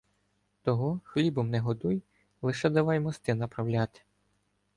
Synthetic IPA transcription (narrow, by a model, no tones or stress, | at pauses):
t̪ɔɦɔxlʲibɔmnɛɦɔd̪uj | lˠɪʃɛd̪ɐʋɑjmɔst̪ɪnɐpɾɐwlʲat̪ɪ̥